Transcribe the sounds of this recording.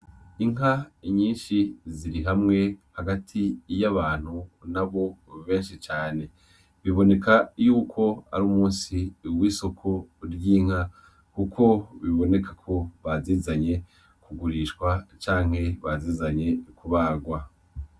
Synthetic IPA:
iŋɦaɲiːnʃiziɾiɦamŋe̞haɡatʰijaβaːn̥hunaβo̞βe̞ːnʃit͡ʃaːne̞ | βiβo̞ne̞kʰajuːkʰo̞a̰ɾuːmuːnsiwiːso̞kʰoɾjiːŋ̥ha | kukʰo̞βiβo̞ne̞kʰakʰo̞βaziːzaɲe̞ | kuɡuɾiːʃkwat͡ʃaːŋ̥he̞βaziːzaɲe̞kuβaːɡwa

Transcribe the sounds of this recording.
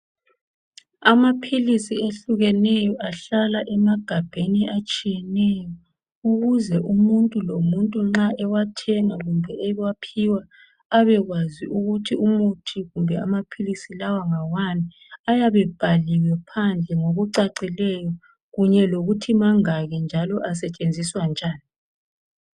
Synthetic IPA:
amapʰilisieɬuɣɛnɛjɔʔaɬalaʔɛmaɡ̥ʱab̥ʱeniʔat͡ʃʼijɛnɛjɔ | uɣuzɛʔumuntʼulomuntʼuŋ͡ǁaʔɛwatʰɛŋaɣumbʱɛɛwapʰiwaː | βɛɣwaziʔuɣutʰiumutʰiɣumbʱɛa̰mapʰilisilawaŋawani | ajaβɛb̥ʱaliwɛpʰand͡ɮʱɛŋoɣuǀaǀilɛjɔ | ɣuɲɛloɣutʰimaŋaɣɛnd͡ʒʱalɔʔas̬ɛt͡ʃʼend͡zʱiswand͡ʒʱaːni

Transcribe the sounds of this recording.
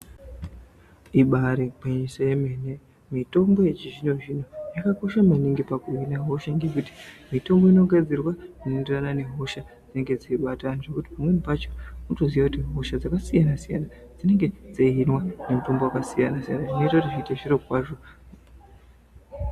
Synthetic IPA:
iɓaɾepaɲiʃaje̞me̞ne̞ | mito̞mbo̞jet͡ʃiʐiɲo̞ʐinojakako̞ʃamaniŋɡipakuinaɦo̞ʃaŋɡe̞kuti̥mito̞mbo̞ino̞ɡʱad͡zirwanenderanane̞ɦo̞ʃa | d͡z̥ine̞ŋɡe̞d͡zaiɓataniʐe̞kuti̥pamwe̞nipat͡ʃo̥muto̞ziʋakutiɦo̞ʃad͡zakasijanasijanad͡zine̞ŋɡe̞d͡zainwane̞muto̞mbo̞wakasijanasija̰naʐino̞itakutiʐiiteʐirokwaːʐo̞

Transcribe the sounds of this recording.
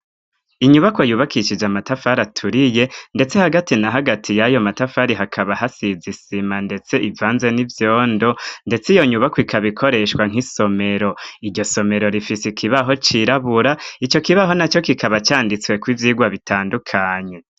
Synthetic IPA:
iɲuβako̞juːβakiʃid͡ʒamatafaɾatʰuɾije̞nde̞t͡se̞haɡatinaɦaɡatʰijajo̞matafaɾiɦakʰaβaɦasizisimande̞t͡se̞ivaːnze̞nivjoːndo̞nde̞t͡sijo̞ɲuβakwikʰaβikʰo̞ɾe̞ʃwaŋ̥iso̞me̞ɾo̞iɾɟo̞so̞me̞ɾo̞ɾifisikʰiβaɦo̞t͡ʃiɾaβuɾait͡ʃo̞kiβaɦo̞nat͡ʃo̞kikaβat͡ʃaːndit͡swe̞kwivjiːɡwaβitaːndukʰaːɲe̞

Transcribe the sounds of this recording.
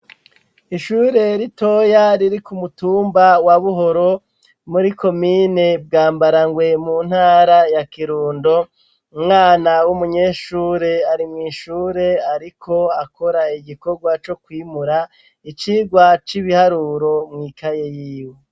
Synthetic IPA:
iʃuːɾe̞ɾito̞jaɾiɾikumutuːmbawaβuɦo̞ɾo̞ | muɾiko̞mine̞b̚ɡaːmbaɾaŋɡwe̞muːn̥haːɾajakiɾuːndo̞ | umŋaːnawumuɲe̞ːʃuːɾe̞aɾimŋiːʃuːɾe̞aɾikʰo̞ako̞ɾaiɡiko̞ɡwat͡ʃo̞kwiːmuɾa | it͡ʃiːɡwat͡ʃiβihaɾuːɾo̞mŋiːkajejiːwe

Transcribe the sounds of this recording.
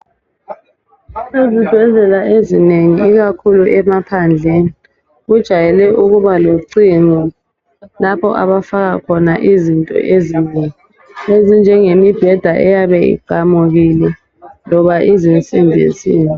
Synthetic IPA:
lezid̥ʱɛzɛlaʔezineŋiiɣakʰuluʔɛmapʰand͡ɮʱeːni | ɣud̥ʒ̥ʱajɛlɛʔuɣuβaloǀiŋɔ | lapʰɔ̰ʔa̰ɓafaɣakʰɔnaʔizintʼɔ̰ʔezineŋi | ezind͡ʒʱɛŋemib̥ʱɛd̥ʱaʔɛjaɓɛḭɡ͡ǀʱamuɣilɛ | lɔβaʔizint͡sʼinbʱḭziːni

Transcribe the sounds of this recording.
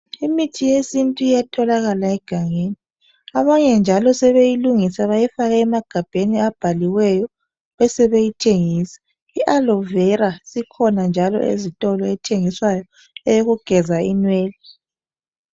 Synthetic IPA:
imitʰijesintʼuijatʰɔlaɣalaɛɡ̥ʱaŋeːni | aβaɲɛnd͡ʒʱalɔsɛβejiluŋisaβajɛfaɣɛːmaɡ̥ʱab̥ʱeniab̥ʱaliwɛjɔ | βɛsɛβejitʰeŋiːsɛ̥ | iʔalɔvɛɾasikʰɔnand͡ʒʱalɔ̰ʔḛzitʼɔlɔɛtʰeŋiswajɔ | ɛjoɣuɡ̥ʱɛzainweːli

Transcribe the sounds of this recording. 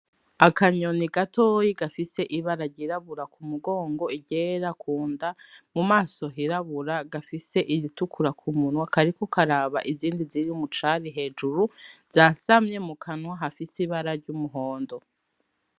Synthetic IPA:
akʰaɲo̞niɡatʰojiɡafise̞ʔiβaɾaɾɟiɾaβuɾakʰumuɡo̞ːŋɡo̞iɟeɾakʰuːndamumaːso̞ɦiɾaβuɾaɡafise̞ʔiβitukʰuɾakʰumunwakaɾiko̞kaɾaːβaʔiziːndiziɾiumut͡ʃaɾiɦe̞ːd͡ʒuɾuz̥asamɲe̞mukʰanwaɦafisiβaɾaɾɟumuɦo̞ːndo̞

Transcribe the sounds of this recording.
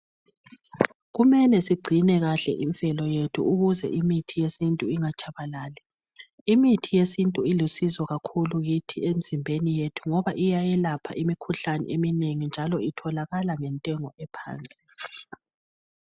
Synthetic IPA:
ɣumɛlɛsiɡ͡ǀʱinɛɣaɬɛ̰ʔiɱfɛlɔjetʰṵuɣuzɛ̰ʔimitʰijesintʼuiŋat͡ʃʼaβalaːlɛ | imitʰijesintʼuilusizɔɣakʰuluɣitʰiem̩zimbʱenijetʰuŋɔβaʔijajɛlapʰa̰ʔimikʰuɬanɛ̰ʔemineŋind͡ʒʱalɔitʰɔlaɣalaŋɛntʼɛŋɔʔɛpʰa̰ːnt͡sʼi̥

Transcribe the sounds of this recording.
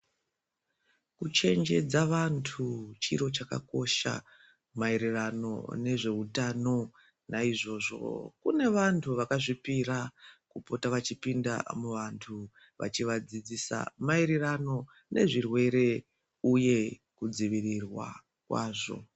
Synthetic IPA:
kut͡ʃe̞nd͡ʒe̞d͡zaʋantʰut͡ʃḭɾo̞t͡ʃaka̰ko̞ʃa̰ | maeɾerano̞̰ne̞ʐe̞utano̞ | naiʐo̞ːʐo̞̰kune̞ʋantʰuʋakaʐipiɾakupo̞taʋat͡ʃipinda̰muʋantʰu | ʋa̰t͡ʃiʋad͡zid͡zisa̰maiɾirano̞ | ne̞ʐirwe̞ɾe̞ | uje̞ | kud͡ziʋirirwa̰ | kwaːʐo̞̰

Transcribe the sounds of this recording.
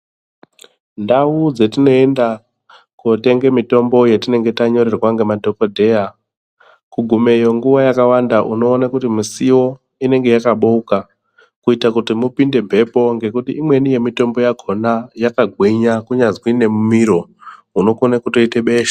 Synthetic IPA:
ndaud͡ze̞tino̞e̞nda | kote̞ŋɡe̞mito̞mbo̞je̞tine̞ŋɡe̞taɲo̞ɾe̞rwaŋɡe̞madʱo̞ko̞dʱe̞a | kuɡʱume̞jo̞ŋɡuʋajakawandaʔuno̞ːnakutimisiwo̞ | ine̞ŋɡe̞jakaɓouka | kuitakutimupinde̞mbʱe̞po̞ŋɡe̞kutiimwe̞nije̞mito̞mbo̞jaɡʱo̞najakaɡʱwiɲakuɲazwine̞mumiɾo̞ | uno̞konakutoite̞ɓeːʃḁ

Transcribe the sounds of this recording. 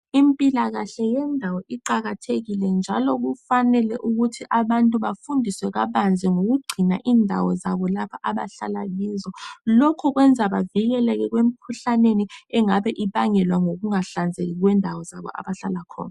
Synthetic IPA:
impʼilaɣaɬɛjɛndʱawɔʔiǃaɣatʰeɣilɛnd͡ʒʱalok̬ufanɛlɛʔuɣutʰiʔaɓantʼuɓafundʱiswɛɣ̬aɓand͡zʱɛŋoɣ̬uɡ͡ǀʱinaʔiːndʱawɔzaɓɔlapʰaʔaɓa̰ɬala̰liːzɔlɔkʰɔk̬wɛnd͡zʱaɓaviɣ̬ɛlɛk̬ɛk̬wem̩kʰuɬaneniɛŋaɓɛʔiɓaŋɛlwaŋoɣuŋaɬand͡zʱek̬ik̬wɛndʱawɔzaɓɔ̰ʔa̰ɓaɬalakʰɔ̰ːna

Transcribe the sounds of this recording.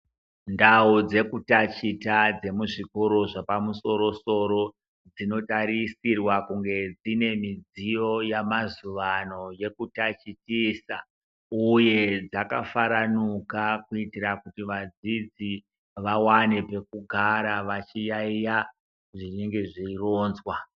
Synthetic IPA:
ndaud͡ze̞kutat͡ʃitad͡ze̞muʐiko̞ɾo̞ʐapamuso̞ɾo̞so̞ɾo̞ | d͡zino̞taɾisirwakuŋɡe̞d͡zine̞mid͡zijo̞jamazuʋano̞je̞kutat͡ʃitiːsa | uje̞d͡zaka̰faɾanukakuitirakutiʋad͡zid͡zi | ʋawane̞pe̞kuɡʱaɾaʋat͡ʃijaija | ʐineŋɡe̞ʐiiro̞ːnzwa

